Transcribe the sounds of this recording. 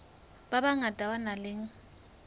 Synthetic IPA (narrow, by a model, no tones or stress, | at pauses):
babaŋadʼʱawanalɪŋ̩